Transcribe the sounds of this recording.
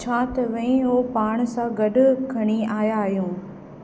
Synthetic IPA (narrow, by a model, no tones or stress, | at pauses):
t͡ʃʰaːt̪ʋɐ̃ĩɦopaːɽ̃sãɡɐɖʱʊ̆kʰɐɽ̃iaːjaːɦjũː